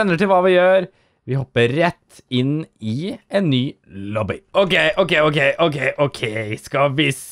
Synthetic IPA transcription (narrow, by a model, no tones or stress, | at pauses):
ɛnːəʈɪlʋɑːʋɪjøːɾ | ʋɪɦɔpːəɾɛt̪ː | ɪnɪɛnːyː | lɔbɪʔokeɪʔɔkeɪokʰeɪʔɔkʰeɪʔɔkʰeɪskɑʋɪs